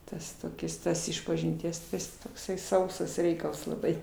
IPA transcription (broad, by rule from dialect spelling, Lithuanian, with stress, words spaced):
ˈtɐs toːˈkʲɪs ˈtoːs ɪʃpɐʒʲɪnʲˈtʲiɛs tɐɪ ˈjɪs toːkˈsɐɪ ˈsɐʊsɐs ˈrʲɛɪkɐlˠs lˠɐˈbɐɪ